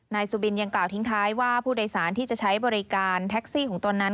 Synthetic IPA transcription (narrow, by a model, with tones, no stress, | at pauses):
naː˧jsuː˧bi˧nja˧ŋklaː˨˩wt̪ʰi˦˥ŋt̪ʰaː˦˥jwaː˥˩pʰuː˥˩doː˧jsaː˩˦nt̪ʰiː˥˩t͡ɕa˨˩t͡ɕʰa˦˥jbɔː˧ɾi˦˥kaː˧nt̪ʰɛ˦˥k̚siː˥˩kɔː˩˦ŋt̪o˧nːa˦˥n